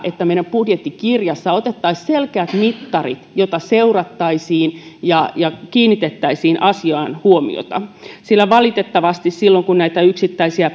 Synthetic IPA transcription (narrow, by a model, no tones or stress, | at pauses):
ʔet̪ːæmeiɾɑmpudjet̪ːikirjɑsːɑot̪et̪ːɑisselkeæt̪mit̪ːɑrit̪jot̪ɑseurɑt̪ːɑisiːnjɑjɑkiːnːit̪et̪ːæisiːnʔɑsiɑːnhuomḭo̰t̪ɑ̰silːæʋɑlit̪et̪ːɑʋɑst̪issilːoŋkunnæit̪æyksit̪ːæisiæ